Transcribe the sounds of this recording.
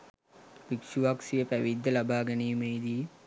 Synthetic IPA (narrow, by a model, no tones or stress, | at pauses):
ʋikʃuʋaksijəpæʋid̪ʱːəlabaːɡɐneːmeid̪i